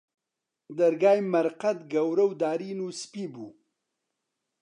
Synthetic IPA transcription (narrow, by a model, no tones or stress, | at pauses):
d̪aɾɡaːjmaɾqat̪ɡɐwɾəwd̪aːɾinuspibu